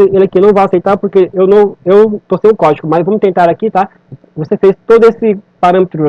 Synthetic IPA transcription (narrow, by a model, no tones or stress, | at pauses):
ɪelɪakɪnɐ̃w̃vajasejt̪aɾpoɾkeewnɐ̃w̃ewt̪osẽnd̪ʊkɔd͡ʒikʊmɐzvɐ̃mʊt̪ẽnt̪aɾakit̪a | vosefest̪od̪ʊesɪpaɾɐ̃met̪ɾʊ